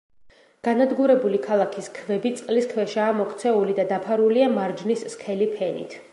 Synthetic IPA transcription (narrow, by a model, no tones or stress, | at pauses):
ɡ̥anad̪ɡuɾɛbulikʰalˠakʰiskʰvɛbit̪sʼqʼliskʰvɛʃaːmɔkʰt̪sʰɛulid̪ad̪apʰaɾuliamaɾd͡ʒnisːχʰɛlipʰɛnḭt̪ʰ